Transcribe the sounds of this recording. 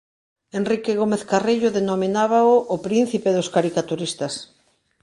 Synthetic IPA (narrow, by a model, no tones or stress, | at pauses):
enrikeɣ̞omeθkareʎʊðenominaβ̞aoʔːpɾin̟θipeðoskaɾikat̪uɾist̪as